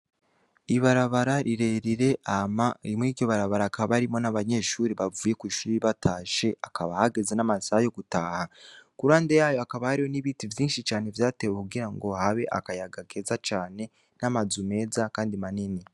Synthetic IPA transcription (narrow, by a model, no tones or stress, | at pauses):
iβaɾaβaɾaɾiɾe̞ɾiɾe̞ʔamaɾimuiːɾɟo̞βaɾaβaɾakaβaɾimo̞naβaɲe̞ʃuːɾiβavuːje̞kwiːʃuːɾiβatʰaːʃe̞ʔakaβahaɡe̞ze̞namasajo̞ɡutaːhakuɾaːndejaːjo̞akaβahaɾihoniβiːtivjiːnʃit͡ʃaːne̞vjaːte̞wekuɡiɾaŋɡo̞haβe̞ʔa̰kajaɡaɡe̞zat͡ʃaːne̞ | namazume̞ːzakaːndimanini